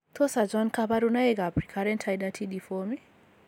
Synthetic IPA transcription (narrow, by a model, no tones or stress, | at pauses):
t̪ʰosad͡ʒankabaɾunaeɡapɾikʰaɾɛntʰajdatʰidifɔmi